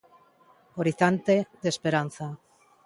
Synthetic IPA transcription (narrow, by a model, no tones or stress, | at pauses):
oɾiθant̪eðespeɾanθa